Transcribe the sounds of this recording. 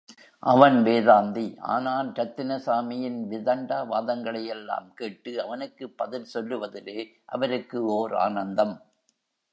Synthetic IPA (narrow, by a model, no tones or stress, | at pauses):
ʔɐʋɐnʋeːðaːnd̪iʔa̰ːnaːlɾɐt̪ːɪnɐsaːmɪjɪnʋɪðɐɳɖaːʋaːðɐŋɡɐɭɐjɛlːa̰ːmkeːʈːɯɐʋɐnɯkːɯpːɐðɪlsɔlːɯʋɐðɪleː | ʔɐ̰ʋɐɾɯkːɯoːɾa̰ːnɐnd̪ɐm